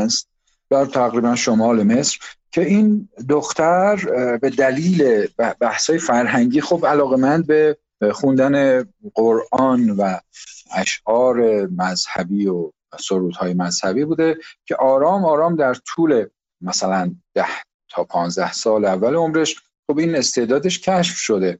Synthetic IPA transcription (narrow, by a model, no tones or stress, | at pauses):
st̪̚ | b̥æɾt̪ʰæɣɾiːbænʃomɒːle̞me̞sɾ̥cʰe̞ind̪oxt̪ʰæɾbe̞d̪æliːle̞bbæhsɒːjefæɾɦæɲɟiːxobælɒːɣe̞mænd̪̚be̞ | xund̪æne̞ɢoɾʔɒːnvææʃɒːɾe̞mæzhæbiːo | soɾuːd̪hɒːje̞mæz̥hæbiːbuːd̪e̞cʲʰe̞ʔɒːɾɒːmɒːɾɒːmd̪æɾt̪ʰuːle̞ | mæsælænd̪̥æh | t̪ʰɒːpʰɒːnzd̪æhsɒːlævːæleomɾe̞ʃ | xobiːne̞st̪e̞ːd̪ɒːd̪e̞ʃcʰæʃfʃo̞d̪e̞